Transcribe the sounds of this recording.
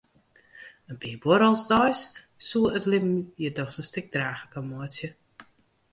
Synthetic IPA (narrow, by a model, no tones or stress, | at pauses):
ənpiːəbɔɾəlˠsdɔjsː | uəətlɪmjədɔxsəstɪk̚draːxəkəmuəsjə